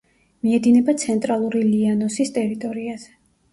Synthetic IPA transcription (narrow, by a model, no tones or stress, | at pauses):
miɛd̪inɛbat̪sʰɛnt̪ʼɾalˠuɾilianɔsist̪ʼɛɾit̪ʼɔɾiaz̥ɛ̥